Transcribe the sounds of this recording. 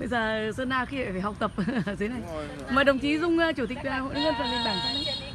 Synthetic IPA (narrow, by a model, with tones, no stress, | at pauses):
ɓə˧jzəː˨˩zɨ˧naː˧xi˧va̰˧˩faː˧˩ha˨˩k͡p̚t̪ə˨˩p̚ːt̪ʰe˨˦na˨˩j | maː˨˩ɗə˨˩wŋ͡mt͡ɕi˨˦zʊ˧ŋ͡mːt͡ɕu˧˩t̪ï˨˩k̟̚a˨˩ho̰˧˨˦ŋə˧nfaː˨˩nli˧˨nɓaː˧˩kaː˨˦j